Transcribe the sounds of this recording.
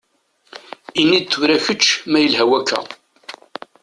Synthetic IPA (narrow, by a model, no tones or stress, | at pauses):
inid̪̚t̪ːuvɾæçət͡ʃːmæjəlhæwækʰːæ̰